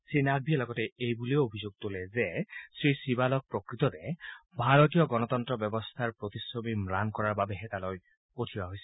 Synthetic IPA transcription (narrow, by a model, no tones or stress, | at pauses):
sinaɡ̚biɛlɔɡɔtɛejbuleoobʱizoɡ̚t̪olɛzesɹisibalɔk̚pɹokɹit̪ɔdɛbʱaɹɔtijɔɡɔnɔt̪ɔntɹɔbjɔbɔst̪ʰaɹpɹot̪isɹomimɹankɔɹaɹbabɛɦɛtaloj | otʰibaɦojsɛ̥